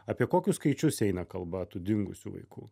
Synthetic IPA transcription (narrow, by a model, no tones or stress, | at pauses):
ɐːpʲiɛkoːkʲʊsskɐɪt͡ʃʲʊsɛɪnɐkɐlˠbɐt̪ud̪ʲɪŋɡʊ̰sʲṵʋɐ̰ɪkuː